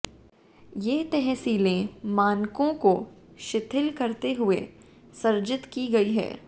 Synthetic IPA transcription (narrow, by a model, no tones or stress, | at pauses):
jeːt̪ɛɦɛsiːlẽmaːnkõko | ʃɪt̪ʰɪlkɐɾt̪eɦʊe | sɐɾd͡ʒɪt̪kiɡɐiɦɛ̰ː